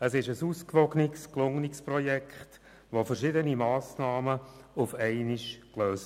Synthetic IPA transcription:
əsɪʃəsuːskʋɔɡnɪksklʊŋnɪksprɔjɛkχt | ʋofəɾʃɪdənimɑːsnɑːməʊfɛɪniʃkløːs

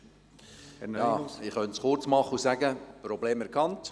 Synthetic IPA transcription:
jɑːɪχœntsχʊɾt͡smɑχːəusæɡəpɾɔbleːmɛɾkʰɑnt

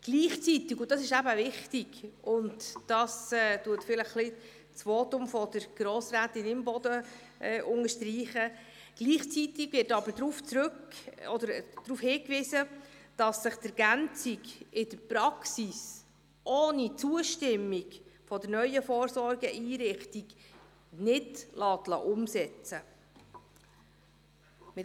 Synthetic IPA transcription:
ɡ̥liːχt͡sitɪkʊntɑsɪʃæbəvɪχtɪɡʊntd̥ɑsɛːtuətfɪləχːlɪ | t͡sfoːtʊmfɔdəɾɡ̥ɾoːsɾæːtɪnɪmbɔdə | ʔɛʔʊŋəʃtriːχə | ɡ̥liːχt͡sitɪɡvɪɾtɑbəɾdɾuːft͡sɾɵkɔd̪əɾd̥ɾuːfhɪːkʋiːsəd̥ɑsːɪχt̪ɛɾɡ̥ænt͡siɡɪd̥əɾpɾɑksis | ʔɔːnit͡suəʃtɪmːiɡfɔdəɾnœʏəfɔːɾsɔɾɡəʔiːɾɪχtiɡ̥ | nɪdlɑːt̪lɑ̰ʔʊmsɛt͡sə | mɪ

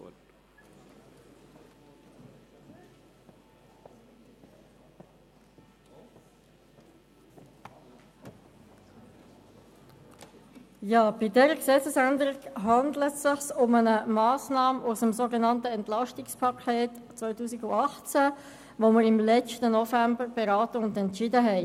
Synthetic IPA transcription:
jɑːb̥ɪdɛɾəksɛt͡səsændəɾikɦɑndlətsɪχsʊmənəmɑːsnɑːmʔusəmsoːɡənɑntəɛntlɑʃtɪkspʰɑkʰeːt | t͡sʋœʏtuːsiɡʊɑχt͡sæ | ʋoməɾɪmlɛt͡ʃtənɔfæmbəɾb̥eɾɑːtəʊndɛntʃɪdəɦɛɪ

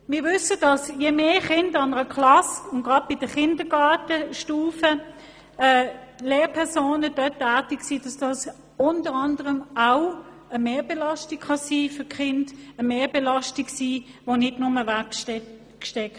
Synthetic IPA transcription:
mɪːɐvʏsəd̥ɑsjemeːχɪndɑnəʁəkʰlɑsʊnɡ̥ʁɑd̚b̥ɪd̥əχɪndəɡɑːtəʃtuːfə | ɛːleːpʰɛʁsoːnədœtːæːtiksiːd̥ɑsd̥ɑs | ʊntəʁɑndəʁəmaʊ | əmeːbelɑstikχɑsiːfʏkχɪndəmeːbɛlɑstiksiːʋonɪdnʊməvɛk | ʃtɛkt

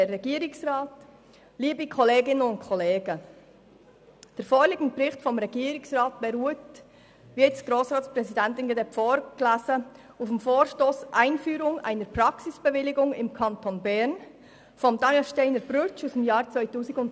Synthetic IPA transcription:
ɛːɛɡ̥iːɾɪksrɑːt | liːbikʰɔleːɡɪnənʊntkʰɔleːɡə | d̥ɛɾfoːɾlɪːɡn̩bɾɪχtfɔmɾɛɡ̥iːɾɪksrɑːt̚b̥ɛɾuət | vɪtsɡ̥ɾoːsʁɑːtt͡sprɛsidɛntɪnɡedɛpfoːɾɡ̥læːzə | ufmfoːɾʃtoːsʔaɪnfyːɾʊŋa̰ɪnəɾpɾɑksɪsb̥ɛvɪlɪɡʊŋɪmkʰɑntʰonbɛɾn | fɔmdɑnilʃteɪnəɾb̥ɾʏt͡ʃusdemjɑːɾt͡sʋœɪtuːsɪɡʊnt

